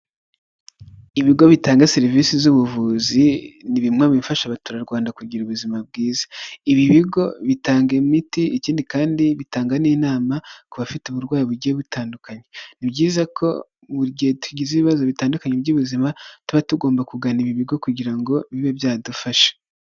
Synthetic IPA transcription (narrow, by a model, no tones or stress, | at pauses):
iβiɡo̞βitaːŋɡaseɾivisizuβuvuːziniβimŋaβifaʃaβatuɾaɾɡwaːndakuɟiɾuβuzimab̚ɡiːzḁiβiβiɡo̞βitaːŋɡemitiiciːndikaːndiβitaːŋɡaniːnaːmakuβafituβuɾɡwaːjiβuɾɟijeβutaːndukaɲenibɟiːzakʰo̞̰ | βuɾɟetuɟizeβiβazo̞βitaːndukaɲebɟuβuzimatuβatuɡo̞ːmbakuɡaniβiβiɡo̞kuɟiɾaŋɡo̞βiβebjaːdufaʃe̥